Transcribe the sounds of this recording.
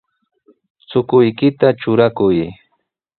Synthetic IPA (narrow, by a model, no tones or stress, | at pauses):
t͡sʊkʊjkɪt̪at͡ʃʊɾakʊj